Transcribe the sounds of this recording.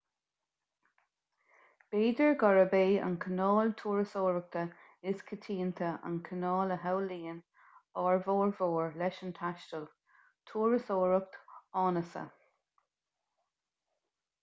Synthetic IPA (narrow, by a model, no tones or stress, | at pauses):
b̥eːdəɹɡɔɹəbeːə̰nkʰənɑːlt̪ʰuːɹəsoːɹək̚t̪ə | ɪskʰət̪ʰiːnt̪ʰəə̰nkʰənɑːləɦawliːən | ɑːɹvoːɹvoːɹlɛʃənt̪ʰaʃtəl | t̪ʰuːɹəsoːɹək̚t̪ɑːnəsə̰